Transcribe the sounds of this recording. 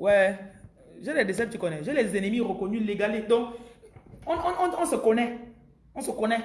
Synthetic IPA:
wɛ | ʒɛlɛdes̬ɛp̚t͡ʃikɔnɛʒɛlɛzenemiɾokonyleɡalidɔ̃k | ɔ̃ɔ̃ɔ̃ɔ̃sekonɛ | ɔ̃sokonɛ

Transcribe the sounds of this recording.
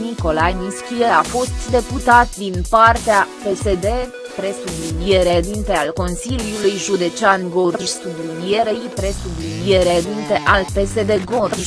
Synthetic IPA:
niko̞lajniskʲijeafo̞st̪d̪e̞put̪at̪d̪inpart̪eape̞se̞d̪e̞ | pɾe̞sublinije̞ɾed̪int̪e̞alko̞nsilijulujʒud̪e̞t͡ʃanɡorʒsublinije̞ɾe̞jpɾe̞sublinije̞ɾed̪int̪e̞ʔalpe̞se̞d̪e̞ɡorʒ

